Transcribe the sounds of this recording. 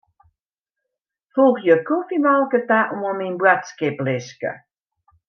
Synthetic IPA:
fuxjəkufimalˠkətaʔumɔminbwatskɪplɪskə̰

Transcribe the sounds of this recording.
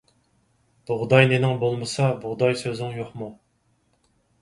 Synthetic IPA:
b̥ʊʁd̪ɑjnenɪŋbolˠmɨsɑbʊʁd̪ɑjsøzɪŋjoχmu

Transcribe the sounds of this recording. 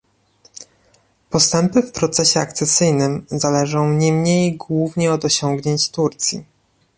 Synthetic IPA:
pɔst̪ɛmpɘfpɾɔt̪sɛɕɛa̰k̚t̪sɛsɘjnɘmzalɛʐɔ̃w̃ɲɛmɲejɡwuvɲɛɔd̪ɔɕɔŋɡɲeɲt͡ɕt̪uɾt̪sʲjḭ

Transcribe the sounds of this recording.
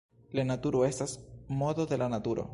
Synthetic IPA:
lanat̪uɾoe̞stasmo̞doðelanat̪uɾo̰

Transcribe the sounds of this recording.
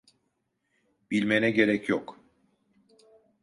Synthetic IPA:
b̥ilʲmenɛɟe̞ɾɛcʰjok

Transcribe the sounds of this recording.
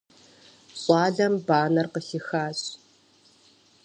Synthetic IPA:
ɕʼɑːɮɐmbaːnɐrqəxixaːɕ

